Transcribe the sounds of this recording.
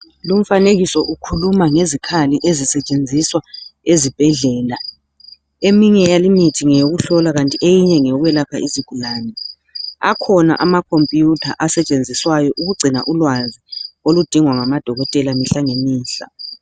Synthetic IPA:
lum̩faneɣisɔʔukʰulumaŋezikʰaliʔezisɛt͡ʃʼend͡zʱiswaezib̥ʱɛɮɛːla | emiɲɛjalimitʰiŋɛjoɣuɬɔlaɣantʼiʔejiɲɛŋɛɣwɛlakʰaʔiziɡ̥ʱulaːnɛ | a̰kʰɔna̰ʔamakʰompʼijutʰa̰ʔasɛt͡ʃʼend͡zʱiswajɔʔuɣuɡ͡ǀʱina̰ʔulwaziolud̥ʱiŋwaŋamad̥ʱɔɣɔtʼɛlamiɬaŋemiːɬa̰

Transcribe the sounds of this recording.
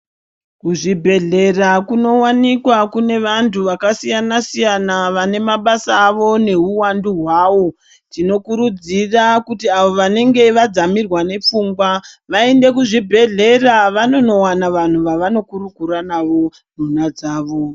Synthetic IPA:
kuʐibʱe̞ɮe̞rakuno̞wanikwakune̞ʋantʰuʋakasijanasijanaʋane̞maɓasaːʋo̞ne̞ɦuwanduɦwaːʋo̞ | tino̞kuɾud͡zirakutiaʋoʋane̞ŋɡe̞ʋad͡zamirwane̞p͡fuːŋɡwaʋaende̞k̬uʐibʱe̞ɮe̞raʋano̞no̞wanaʋan̤uʋaʋano̞kuɾuɡʱuɾanaʋo̞ | n̤unad͡zaːʋo̞

